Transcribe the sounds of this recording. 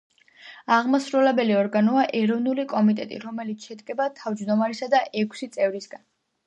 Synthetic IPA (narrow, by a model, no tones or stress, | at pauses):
aʁmasɾulɛbɛliɔɾɡanɔaʔɛɾɔvnulikʼɔmit̪ʼɛt̪ʼḭɾɔmɛlit̪sʰʃɛt̪ʼkʼɛbat̪ʰavd͡ʒd̪ɔmaɾisad̪aʔɛkʰsit̪sʼɛvɾisɡan